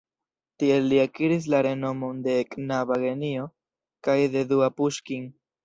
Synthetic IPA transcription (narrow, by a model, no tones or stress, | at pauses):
tie̞lːiakiɾis̬laɾe̞no̞mo̞nde̞ːknaβaɡe̞nio̞ | kajde̞duapuʃkiŋ